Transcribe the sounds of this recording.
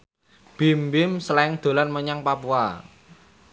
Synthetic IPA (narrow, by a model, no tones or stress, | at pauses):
b̥imbɪmsəlaɪŋd̪̥o̤lanməɲaŋpapua̰